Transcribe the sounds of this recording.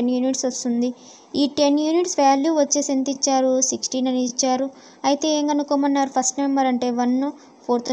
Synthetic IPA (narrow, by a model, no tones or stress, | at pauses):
enjuːniʈsɐst̪und̪i | iːʈe̞njuːniʈsʋaːljuːʋɐt͡ʃːeːsent̪it͡ʃːaːɾusiksʈiːnɐniit͡ʃːaːɾu | ɐjit̪e̞ːeːŋɡɐnukoːmɐnːaːɾupʰɐsʈnɐmːɐɾɐɳʈe̞ːʋɐnːu | pʰoːɾt̪